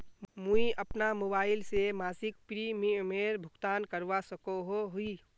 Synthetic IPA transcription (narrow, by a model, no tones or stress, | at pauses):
muiʔɐpnamobaːɪlsemaːsɪk̚pɾimimeːɾbʱʊɡt̪aːnkəɾʋasəkoɦoɦʊi